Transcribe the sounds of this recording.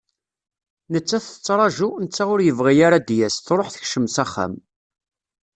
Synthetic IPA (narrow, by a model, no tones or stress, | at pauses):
nət͡sːæθə̥t͡sːɾˤɑʒunət͡sːaʁʊɾjəvʁijaɾad̪jæsθɾˤoħθə̥çʃəmsæχːa̰m